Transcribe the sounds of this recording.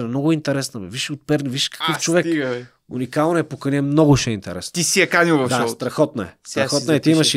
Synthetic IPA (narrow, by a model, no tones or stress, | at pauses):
nmnɔɡʊint̪ɛɾɛsnəmɛviʃot̪̚pɛɾniviʃkɐ̥kɤft͡ʃovɛk̪ | ṵnikalˠnoɛpokɐnʲɛmnɔɡʊʃɛint̪ɛɾɛsnt̪isiɐkanilˠvɐfd̪aɔst̪ɾɐxɔt̪nɐɛst̪ɾɐxɔt̪ɐɛt̪iimɐʃ